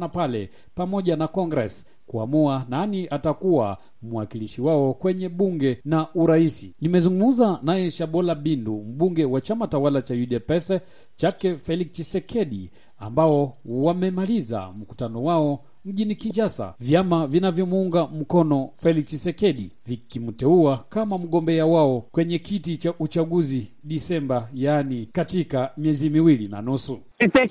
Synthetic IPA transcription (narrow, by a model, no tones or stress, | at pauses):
napalɛ | pamɔʄanakɔŋɡɾɛs | kua̰muananiʔatakuwa̰ | muwakiliʃiwaɔkwɛɲɛɓuŋɡɛnaʔuɾaisinimɛzuŋɡum̩zanajɛʃaɓɔlaɓindum̩ɓuŋɡɛwat͡ʃamatawalat͡ʃajuɗɛpɛsɛ | t͡ʃakɛfɛlikt͡ʃisɛkʰɛɗi | a̰mbaɔwamɛmaliza̰m̩ku̥tanɔwaɔ | m̩ʄinikinʃasa̰vjamavinavjɔmuuŋɡam̩kɔnɔfɛlikt͡ʃisɛkɛɗivikimutɛuakamam̩ɠɔmbɛawaɔkwɛɲɛkitit͡ʃaʔut͡ʃaɠuzi | ɗisɛmbajanikatikamiɛzimiwilina̰nusu